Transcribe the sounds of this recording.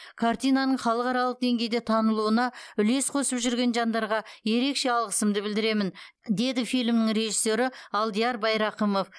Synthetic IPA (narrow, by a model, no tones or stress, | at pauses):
kʰaɾt̪ijnɑnəɴχɑlˠəqɑɾɑlˠəq̚d̪e̞ŋɡʲe̞jd̪et̪ʰɑnəlˠuənɑʏle̞sqʰosəpʒʏɾɡʲe̞nʒɑnd̪ɑɾʁɑje̞ɾe̞kʃe̞ɑlˠʁəsəmd̪əbɪld̪ɪɾe̞mɪn | d̪e̞d̪ɪfijlʲmnɪŋɾe̞ʒisːe̞ɾɪɑlˠd̪ijɑɾbɑjɾɑqəmo̞f